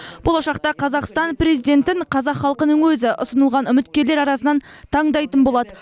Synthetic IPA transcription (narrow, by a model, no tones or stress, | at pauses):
b̥o̞lˠɑʃɑqt̪ɑqʰɑzɑqst̪ɑnpre̞zijd̪ʲe̞nt̪ɪɴqʰɑzɑqχɑlˠqənəɴwɵzɪʔʊ̰sənəlˠʁɑnʏmɪt̪kʲe̞ɾle̞ɾɑɾɑsənɑnt̪ʰɑɴd̪ɑjt̪ənbo̞lˠɑd̪ə